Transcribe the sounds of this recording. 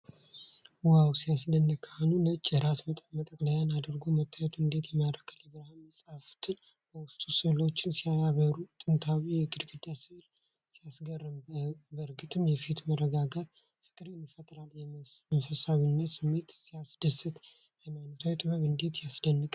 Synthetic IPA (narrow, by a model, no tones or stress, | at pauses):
wawsijasd̪ənːɨkʰaanulət͡ʃʼːɾat̪mət̪ʼəmət̪ʼəkʼlajanad̪əɾɡomət̪ʰːajɛt̪ʰuɨnd̪e̞t̪jɛmad̪ɾəkʰːələbɨɾhaməsʼaft̪ʰɨn | bəwʊst̪ʼusɨlo̞t͡ʃːɪnsijaaβəɾut̪ʼɨnt̪ʰawijɛɡɨd̪ɡɨd̪asɨhl | sijasɡərːɨmbəɾɡɨt̪ʰɨmjɛfit̪mərːəɡaɡat̪ | fɨkʼɨɾenːifət̪ʼɾaljɛmənfəsaβinːət̪sɨmːe̞t̪sijasd̪̥əsɨt̪ | jəmanːut̪ʰawɛt̪ʼɨβəβɨnd̪e̞t̪jasd̪ənːɨkʼ